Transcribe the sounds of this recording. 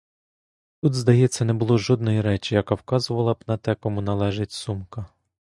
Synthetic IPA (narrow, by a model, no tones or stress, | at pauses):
t̪ut̪zd̪ɐjɛt͡sʲːɐnɛbʊlˠɔʒɔd̪̚nɔjiɾɛt͡ʃɪjɐkɑwkɑzʊʋɐlˠɐbnɐt̪ɛkɔmʊnɐlˠɛʒɪtʲsumkɐ